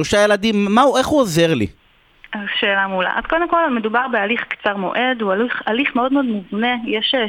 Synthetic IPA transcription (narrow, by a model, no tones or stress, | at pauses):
loʃaje̞lad̪imːauʔeχuoze̞ʁlḭ | azʃe̞ːlamula̰ʔa̰zkod̪emko̞lmedubaʁbealiχkt͡saʁmo̞̰ʔe̞d̪ualiχaliχmeo̞d̪meod̪muvne̞jeʃe